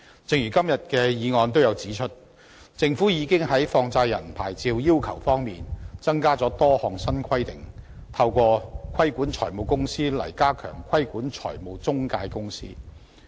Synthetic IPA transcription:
t͡sɪ˨ŋjɥyː˨˩kɐ˥mjɐ˨t̚kɛː˧jiː˨˧ŋɔː˧nt̪̬o˥wjɐ˨˧wt͡siː˨˥t͡ʃʰɵ˥t̚ | t͡sɪ˧ŋfuː˨˥jiː˨˧kɪ˥ŋɦɐ˨˥jfɔː˧ŋt͡saː˧jːɐ̰˨˩npʰa̰ː˨˩jt͡siː˧wjiː˥wkʰɐ˨˩wfɔː˥ŋmḭː˨nt͡sɐ˥ŋkaː˥t͡sɔː˨˥t̪ɔː˥hɔː˨˩ŋsɐ˥nkʰɐ˥jt̪ɪ˨˩ŋ | t̪ʰɐ˧wkʷɔː˧kʰɐ˥jkuː˨˥nt͡ʃʰɔ̰ː˨˩jmo˨wkʊ˥ŋsiː˥lɐ̰˨˩jkaː˥kʰœ̰ː˨˩ŋkʰwɐ˥jkuː˨˥nt͡ʃʰɔ̰ː˨˩jmo˨˧wt͡sʊ˥ŋkaː˧jkʊ˥ŋsḭː˥

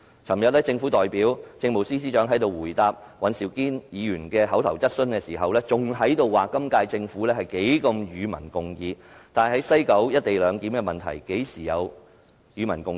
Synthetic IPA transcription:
t͡sʰɐ˨˩mjɐ˨t̚lɛː˥t͡sɪ˧ŋfuː˨˥t̪ɔː˨jpiː˨˥wt͡sɪ˧ŋmo˨˩wsiː˥s̬iː˥t͡ʃœː˨˥ŋɦɐ˨˥jt̪o˨˧wuː˨˩jt̪aː˧p̚ | wɐ˨˧nsiː˨˩wkiː˥njiː˨˧jyː˨˩nkɛː˧ɦɐ˨˥wt̪ʰɐ˨˩wt͡sɐ˥t̚sɵ˥nkɛː˧siː˨˩ɦɐ˨wlɛː˥t͡sʊ˨ŋɦɐ˨˥jt̪o˧wːaː˨˩kɐ˥mkaː˧jt͡sɪ˧ŋfuː˨˥lɛː˥hɐ˨jke˨˥jkɐ˧mjyː˨˧mɐ̰˨˩nkʊ˨ŋjiː˧t̪aː˨n˨jhɐ˨˥jsɐ˥jkɐ˨˥wjɐ˥t̚t̪e˨jlœː˨˧ŋkiː˨˥mkɛː˧mɐ˨˩nt̪ʰɐ̰˨˩jke˨˥jsiː˨˩jɐ˨˧w | jyː˨˧mɐ˨˩nkʊ˨˧ŋ

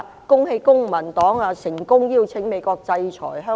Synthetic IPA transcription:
kʊ˥ŋhe˧jkʊ˥ŋmɐ˨˩nt̪ɔː˨˥ŋaː˧sɪ˨˩ŋkʊ˥ŋjiː˧wt͡sʰɪ˨˥ŋme˨˧jkʷɔː˧k̚t͡sɐ˧jt͡sʰɔ̰ː˨˩jɦœː˥

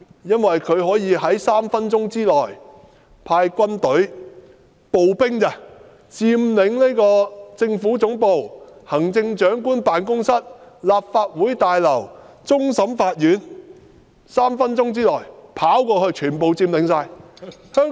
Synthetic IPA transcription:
jɐ˥nwɐ˨jkʰɵ˨˧ɥɦɔː˨˥jiː˨˧ɦɐ˨˥jsaː˥mfɐ˥nt͡sʊ˥ŋt͡siː˥lɔː˨˩j | pʰaː˧jkʷɐ˥nt̪ɵ˨˥ɥ | po˨wpɪ˥ŋkɐ˧ | t͡siː˧mlɪ˨˥ŋliː˥jkɔː˧t͡sɪ˧ŋfuː˨˥t͡sʊ˨˥ŋpo˨whɐ˨˩ŋt͡sɪ˧ŋt͡ʃœː˨˥ŋkuː˥npaː˨nkʊ˥ŋsɐ˥t̚laː˨p̚faː˧t̚wuː˨˥jt̪aː˨˧jlɐ˨˩w | t͡sʊ˥ŋsɐ˨˥mfaː˧t̚jyː˨˥n | saː˥mfɐ˥nt͡ʃʊ˥ŋt͡siː˥lɔː˨˩jpʰaː˨˥wkɔː˧hɵ˧ɥt͡ʃʰyː˨˩npo˨wt͡siː˧mlɪ˨˧˥ŋsaː˧jhœː˥ŋ

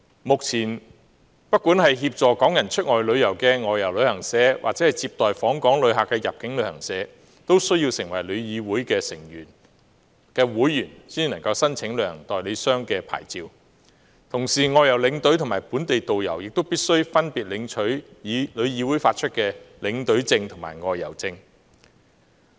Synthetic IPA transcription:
mʊ˨k̚t͡sʰiː˨˩n | pɐ˥t̚kːuː˨˥nhɐ˨jɦiː˧p̚t͡ʃɔː˨kɔː˨˥ŋjɐ˨˩nt͡ʃʰɵ˥t̚ŋɔː˨jlɵ˨˧ɥjɐ˨˩wkɛː˧ŋɔː˨jːɐ˨˩wlɵ˨˧ɥhɐ˨˩ŋsɛː˨˥wʔa̰ː˨t͡sɛː˨˥hɐ˨jt͡siː˧p̚t̪ɔː˨jfɔː˨˥ŋkɔː˨˥ŋlɵ˨˧ɥɦaː˨˩kːɛː˧jɐ˨p̚kɪ˨˥ŋlɵ˨˧ɥhɐ̰˨˩ŋsɛː˨˥ | t̪o˥wsɵ˥ɥji˧wsɪ˨˩ŋwɐ˨˩jlɵ˨˧ɥjiː˨˧wuː˨˥jkɛː˧sɪ̰˨˩ŋjyː˨˩n | kɛː˧wuː˨˥jːyː˨˩nsiː˥nɐ˨˩ŋkɐ˧wsɐ˥nt͡sʰɪ˨˥ŋlə˨œː˧˥hɐ˨ŋ˩ŋt̪ɔː˨jle˨˧sœː˥ŋkɛː˧pʰa̰ː˨˩jt͡siː˧w | t̪ʰʊ˨˩ŋsiː˨˩ŋɔː˨˧jɐ˨˩wlɪ˨˧˥ŋt̪ɵ˨˥t̪ʰʊ˨˩maː˨˩jpuː˨˥nt̪e˨jt̪o˨wjɐ˨˩wjɪ˨k̚t̪o˥wpiː˥t̚sɵ˥ɥfɐ˥npiː˨t̚lɪ˨˧˥ŋt͡ʃʰɵ˨˥˨lɵ˨˧ɥjiː˨˧wuː˨˥jfaː˧t̚t͡ʃʰɵ˥t̚kɛː˧lɪ˨˧˥ŋt̪ɵ˨˥ɥt͡sɪ˧ŋt̪ʰʊ˨˩ŋma̰ː˨˩jŋɔː˨jːɐ̰˨˩wt͡sɪ˧ŋ

